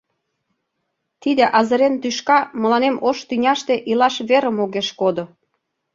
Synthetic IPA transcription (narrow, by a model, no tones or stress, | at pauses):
t̪id̪eʔɑzə̆ɾent̪yʃkɑmə̆lɑnemʔoʃt̪ynʲɑʃt̪eʔilɑʃβeɾə̆moɣeʃkod̪o